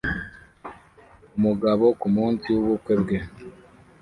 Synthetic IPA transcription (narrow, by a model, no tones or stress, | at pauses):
umuɡaβo̞kumuːnsiuβukwebɡe